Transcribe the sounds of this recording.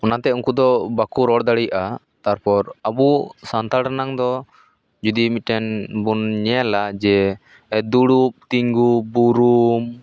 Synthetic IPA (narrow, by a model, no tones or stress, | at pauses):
ɔnat̪ɛuŋkud̪ɔbakuɾɔɽd̪aɽijaʔa | t̪aɾpɔɾabusant̪aɽanaŋd̪ɔ | d͡ʒud̪imiʈɛnbunɲɛalad͡ʒɛ | d̪uɽup̚t̪iŋɡubuɾum